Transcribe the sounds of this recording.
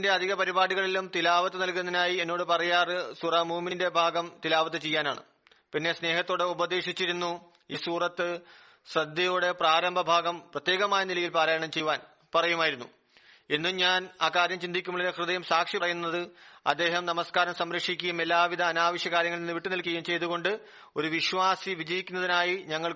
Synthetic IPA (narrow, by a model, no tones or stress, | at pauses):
nde̞ɐd̪ʱiɣɐpɐɾibaːɽiɣɐɭilumt̪ilaːʋɐt̪ːɨnɐlkunɐðinaːjienːo̞ːɽɨpɐrɐjaːrɨsuraːmuːminde̞bʱaːɡɐmt̪ilaːʋɐt̪̬ːɨt͡ɕe̞jːaːna̰ːɳɨ̰ | pinːe̞sne̞ːɦɐt̪ːo̞ːɽeubɐd̪eːʂit͡ɕːiɾunːu | isuːrɐt̪ːɨ | srɐd̪jɐjoːɽe̞praːɾɐmbʱɐbʱaːɡɐmprɐt̪jeːɣɐmaːjɐnilɐjilpaːɾaːjɐɳɐmt͡ɕe̞jʋaːn | pɐrɐjumaːjiɾunːu | enːuɲaːnaːkːaːɾjɐmt͡ɕind̪ikʲːumːuɭilekrɨðɐjumsaːkʂiɐrɐjunːɐðɨɐ̰d̪ːe̞ːɦɐmnɐmɐskaːɾɐmsɐmɾɐkʂikʲːujume̞lːaːʋid̪ʱɐːnaːʋɐɕjɐkaːɾjɐŋːɐɭninːɨʋiʈːɨnilkʲːɐɐjumt͡ɕe̞jt̪uɣo̞ɳɖɨ | o̞ɾuʋiɕʋaːsiʋid͡ʑɐjikʲːunːɐðinaːjiɲɐŋːɐɭ